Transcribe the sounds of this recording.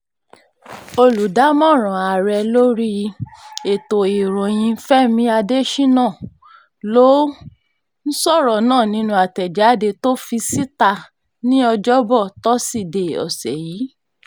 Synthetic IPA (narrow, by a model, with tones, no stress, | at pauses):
o˧lu˨da˨˦mɔ̃˦˨ɾ̃ɔ̃˨a˨ɾɛ˧lo˦ɾi˦ | e˨to˨i˨ɾɔ̃˨j̃ĩ˧˦fɛ˦mĩ˧˦a˧de˦ʃi˦nãː˦˨ | lo˨˦ | n̩˦sɔ˦˨ɾɔ˨nãː˦˨nĩ˨˦nũ˧˦a˨tɛ˨d͡ʒa˨˦de˧to˦fi˧si˦ta˧ | nĩ˦ɔ˧d͡ʒɔ˦bɔ˦˨tɔ˦si˦˨de˨ɔ̰˨sɛ̰˨jiː˨˦